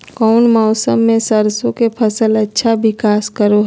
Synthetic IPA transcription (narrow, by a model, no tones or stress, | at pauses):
kɔʊnmɔːsəmːẽsəɾsõkepʰəsələtːʃʰabɪkaːskəɾo